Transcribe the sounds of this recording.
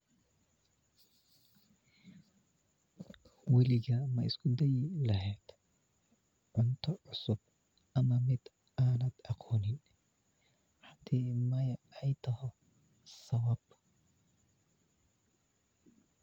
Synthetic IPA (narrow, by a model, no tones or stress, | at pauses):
wɛlɪɣɐmɐɪskʰʊd̪ɛjlɐɦɛːd̪̥ | ʕʊnt̪ʰɔʕʊsʊb̚ | ʔɐmɐmɪd̪ | aːnɐd̪̥ɑqʰɔːnɪn | ħɑd̪̥iːmɐjɛjt̪ʰɐhɔ | sɐwɐb